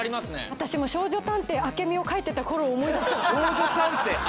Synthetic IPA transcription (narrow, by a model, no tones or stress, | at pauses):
ɾʲimasɨnḛβat̪aɕimo̞ɕo̞ːʑo̞t̪ãnt̪e̞ake̞mʲio̞kait̪ːe̞t̪ako̞ɾo̞ːmo̞id̪asɨoːʑot̪ãnt̪e